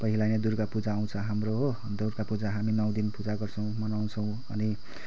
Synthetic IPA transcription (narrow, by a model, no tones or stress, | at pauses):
pʌɦilajned̪urkapud͡zaːw̃t͡sʰʌɦamroɦ | d̪orkapud͡zaɦaminʌw̃d̪inpud͡zaɡʌrt͡sʰʌ̃w̃mʌnaw̃t͡sʰʌw̃ | ʌ̰ni